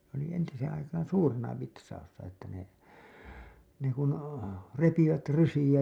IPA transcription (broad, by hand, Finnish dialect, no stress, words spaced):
oli entiseːẽ ɑikɑːn̞ suːrenɑ ʋitsɑusːɑ etːæ ne ne kun repiʋæt rysij̆æ